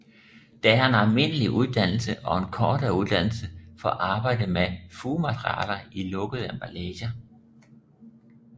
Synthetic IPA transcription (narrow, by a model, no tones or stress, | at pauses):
d̥ææɐe̝nælme̝n̰əliʔuð̞ˠd̥æn̰l̩səʔɒ̽e̝nkʰɒːd̥ɐuðˠd̥æn̰l̩səfɒ̰ʔɑ̈ːb̥ɑ̈ɪ̰d̥əmefuːmæt͡sʰʁiɑ̰ːlɐilɔ̽ɡ̥əð̩ˠæmb̥ælɛːɕɐ